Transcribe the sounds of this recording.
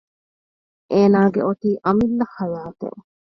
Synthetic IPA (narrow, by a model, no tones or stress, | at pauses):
ʔeːnaːɡeoʈ̪iːʔɐmilːɐhɐɾaːt̪ḛʔ